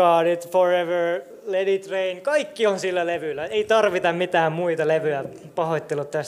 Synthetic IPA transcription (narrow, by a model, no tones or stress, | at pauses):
ɑːɾit̪foreʋəɹ | ledit̪reinkɑikːionsilːæleʋylːæeit̪ɑrʋit̪ɑmmit̪æːmmuit̪ɑleʋyæ | pɑhot̪ʲːelːut̪t̪æs